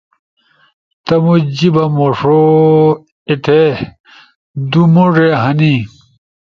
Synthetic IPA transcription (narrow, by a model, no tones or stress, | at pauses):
t̪ɐmud͡ʑibɐmoʂo | et̪ʰe | d̪umoʐeɦɐni